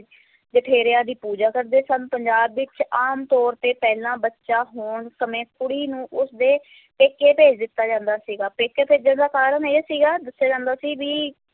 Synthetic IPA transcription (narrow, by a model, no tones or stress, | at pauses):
d͡ʒəʈʰeːɾeaːd̪iːpuːd͡ʒaːkəɾd̪eːsənpəɲd͡ʒaːbːɪt͡ʃaːmt̪ɔːɾt̪eːpɛːlãːbətːʃaːɦoːɳsəmẽːkʊɽiːnũːʔʊsd̪eː | peːkeːpeːd͡ʒd̪ɪt̪ːaːd͡ʒãːnd̪aːsiːɡaːpeːkeːpeːd͡ʒd̪ənd̪aːkaːɾəneːsiːɡaːd̪əsːjaːd͡ʒãːnd̪aːsiːʋiː